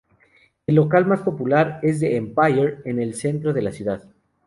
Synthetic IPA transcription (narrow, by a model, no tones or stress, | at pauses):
elːo̞kalmaspo̞pulaɾe̞zðeːmpajeɾe̞ne̞lse̞nt̪ɾo̞ð̞e̞lasjuðað